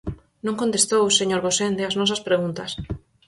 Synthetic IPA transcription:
nõŋkõnt̪est̪owseɲoɾɣosend̪eaznɔs̬ɐspɾeɣunt̪ɐs

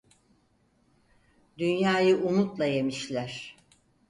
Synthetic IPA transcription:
d̪ynjaːjɯʔumut̪lˠaje̞miʃlʲæɾ̥

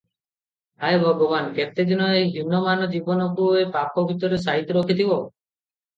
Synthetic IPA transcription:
ajbʱɔɡɔbanket̪ed̪inɔeɦunɔmanɔd͡ʒibɔnɔkuepapɔbʱit̪ɔɾes̬aɦit̪ɔɾokʰit̪ʰibɔ

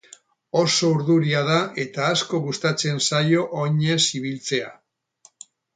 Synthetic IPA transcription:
o̞so̞uɾðuɾiað̞aʔe̞t̪aːsko̞ɣust̪at͡se̞nsajo̞ʔoɲe̞siβ̞ilt͡se̞a̰

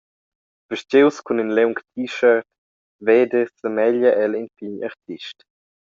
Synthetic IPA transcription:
v̥əʃt͡ʃewskuninlɛwŋktʰiʃəɾt | vɛdəsəmɛʎəʔɛlinpiɲa̰ɾt̪ʰiʃt

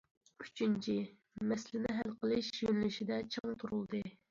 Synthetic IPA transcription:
y̥t͡ʃynt͡ʃʰi | mɛslɪnɪɦælqəlˠɨʃjønlyʃid̪ɛt͡ʃʰɨŋt̪ʰuɾulˠd̪ɨ

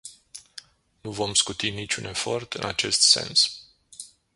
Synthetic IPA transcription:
nuvo̞mskut̪init͡ʃʲune̞fo̞rt̪ɨnat͡ʃe̞st̪se̞̰ns

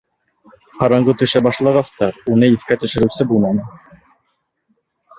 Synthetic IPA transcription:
qɑɾɑɴɢɤt̪ɵ̆ʃæbɑʃlˠɑʁɑst̪ɑɾunɤiθkæt̪ɵ̆ʃɘ̆ɾɘ̆wsɘbulˠmɑnɤ

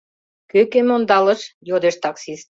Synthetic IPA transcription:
køkemond̪ɑlə̆ʃjod̪eʃt̪ɑksist̪̚

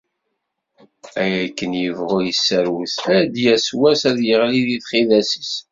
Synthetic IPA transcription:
æjækːənjəvʁʊɾjəsːəɾwuθæd̪jæswæsæðjəʁliðiθχiðæsəs

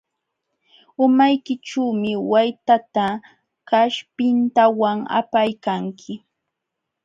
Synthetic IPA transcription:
ʊmajkɪʈ͡ʂuːmɪwajt̪at̪a | kaʃpɪnt̪awaŋa̰pajkaŋkʰɪ

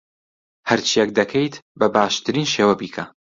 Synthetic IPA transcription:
hɐɾt͡ʃʰijɛk̚d̪ɐkʰejt̪bɐbaːʃt̪ʰɨɾiːnʃeːwɐbiːkʰɐ

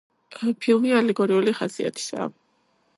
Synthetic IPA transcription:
pʰilˠmialɛɡɔɾiuliχasia̰t̪ʰi̥sa̰

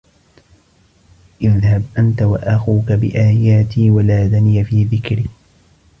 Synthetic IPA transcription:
ʔɪðhabʔant̪awaʔaxuːkabɪ̰ʔaːjaːt̪ʰiːwalaːðanɪjafiːðɪkɾiː

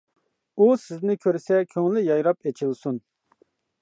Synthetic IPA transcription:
usɪznɪkʲʰøɾsɛkʲʰøŋlɪjɑjɾɑpet͡ʃʰilˠsun

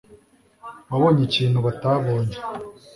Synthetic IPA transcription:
βaβoɲiciːn̥huβataβoːɲe

